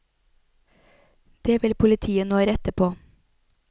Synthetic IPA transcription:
d̪̥eːʋɪlpʰʊlɪt̪ʰiːənoːɾɛt̪əpʰoː

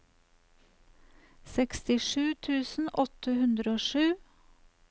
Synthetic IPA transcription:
sɛkst̪ɪʃʉːt̪ʰʉːsn̩ʔɔt̪ʰəhʉnd̪ɾəoːʃʉː

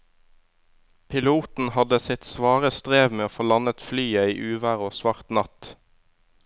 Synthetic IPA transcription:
pʰɪluːt̪n̩hɑd̪əsɪt̪sʋɑːʁəst̪ʁeːʋmeːoːfoːlɑnət̪flyːəiːʔʉːʋæːʁoːsʋɑʁt̪nɑt̪

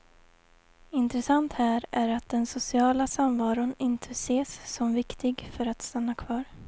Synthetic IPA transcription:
ɪnt̪ɾɛsant̪hæːɾæɾat̪̚d̪ɛnsʊsɪɑːlasamvɑːɾʊnɪnt̪ʰəseːsːɔmvɪkt̪ʰɪɡfœɾat̪st̪anːakʰvɑːɾ

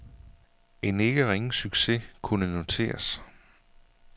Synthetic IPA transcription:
e̝ne̝ɡ̥əʁeŋn̩syɡ̥se̝kʰunəno̝t͡sʰe̝̰ːɐs

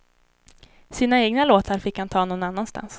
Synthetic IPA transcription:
siːnaeːɡnaloːt̪ʰaɾfɪkːhant̪ʰɑːnɔnanːanst̪a̰ns

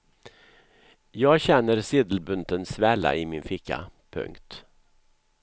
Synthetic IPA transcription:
jɑːɡɕɛnːəɾsɪːd̪l̩bɵnt̪ənsvɛla̰ʔɪmɪnfɪkːa̰pʰɵ̰ŋkt̪

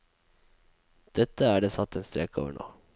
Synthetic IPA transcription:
d̪̥ɛt̪əæːɖeːsɑt̪ːeːnst̪ɾɛko̰ːʋə̰ɳo̰ː

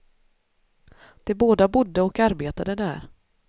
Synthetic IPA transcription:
d̪̥ɛboːd̪abʊd̪ːəɔkaɾbeːt̪ad̪əd̪æːɾ

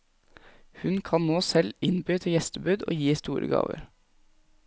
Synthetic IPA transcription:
hʉnkʰɑnnoːsɛlɪnbyːt̪ʰəjɛst̪əbʉːd̪o̰ːjiːst̪uːɾə̰ɡɑ̰ːʋə̰ɾ

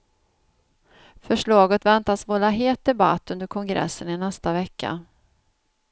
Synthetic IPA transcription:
fœʂɭɑːɡət̪vɛnt̪asvɔlːaɦeːt̪̚d̪ɛba̰t̪ːɵnd̪əɾkʰɔŋɡɾɛ̰sːənɪnɛst̪avɛkːa̰

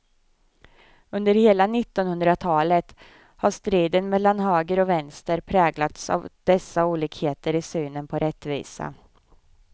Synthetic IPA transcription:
ɵnd̪əɾheːlanɪt̪ːɔnhɵnd̪ɾat̪ʰɑːlət̪ | haʂt̪ɾiːd̪ənmɛlːanhøːɡəɾɔvɛnst̪əɾpʰɾɛːɡlat̪sa̰vd̪̥ɛsːauːliːkheːt̪əɾɪsyːnənpʰɔɾʔɛt̪ːvḭːsa̰

